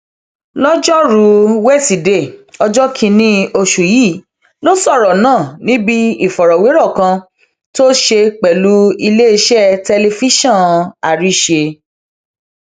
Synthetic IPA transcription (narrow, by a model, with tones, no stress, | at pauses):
lɔ˦d͡ʒɔ˦ɾu˨˦wɛ˦si˨de˦˨ɔ˧d͡ʒɔ˦kʰĩ˧nĩ˦o˧ʃu˨ji˦˨ | lo˦sɔ˦˨ɾɔ˨nãː˦˨nĩ˦bi˦i˦˨fɔ˨ɾɔ˨we˨˦ɾɔ˦˨kã˧ | to˦ʃe˧k͡pɛ˨lu˨˦i˧le˦i˧ʃɛ˦tɛ˧le˧fi˦ʃɔ̃˦˨a˨ɾi˦˨ʃe˧